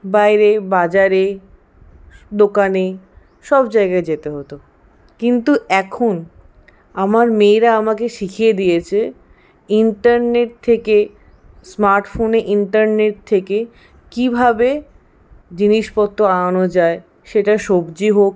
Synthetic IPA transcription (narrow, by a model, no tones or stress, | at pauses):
bajɾebad͡ʑaɾe | d̪okane | ʃɔbd͡ʑaeɡaed͡ʑet̪eɦot̪o | kint̪uɛkʰon | amaɾmeːɾaamakeʃikʰijed̪ijet͡ɕʰe | iɳʈaɾneʈ̚t̪ʰeke | smaɾʈfoneʔiɳʈaɾneʈ̚t̪ʰeke | kibʱabe | d͡ʑiniʃpɔt̪ːoanod͡ʑae | ʃeʈaʃobd͡ʑiɦok